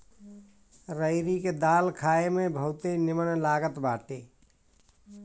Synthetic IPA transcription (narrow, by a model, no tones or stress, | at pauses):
ɾəɪɾiked̪alkʰaemebʱəut̪enɪmənlaɡət̪baʈe